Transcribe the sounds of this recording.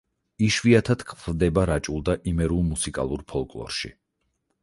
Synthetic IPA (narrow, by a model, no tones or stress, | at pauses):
iʃviat̪ʰat̪kʰpʰvd̪ɛbaɾat͡ʃʼulˠd̪aʔimɛɾulˠmusikʼa̰lˠuɾpʰɔlˠkʼlˠɔ̰ɾʃḭ